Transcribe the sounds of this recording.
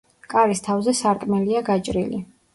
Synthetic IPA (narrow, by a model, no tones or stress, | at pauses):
kʼaɾist̪ʰavzɛsaɾkʼmɛliaɡat͡ʃʼɾḭlḭ